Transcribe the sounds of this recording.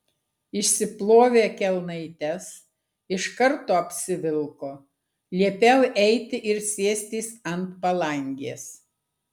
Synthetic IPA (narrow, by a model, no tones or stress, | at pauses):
ɪʃʲsʲɪplˠoːʋʲeːkʲɛlˠnɐɪt̪ʲɛs | ɪʃkɐɾt̪oːɐpʲsʲɪʋʲɪlˠkoː | lʲiɛpʲɛlʔɛɪt̪ʲɪʔɪɾsʲiɛsʲt̪ʲiːsɐnt̪pɐlˠɐŋʲɡʲeːs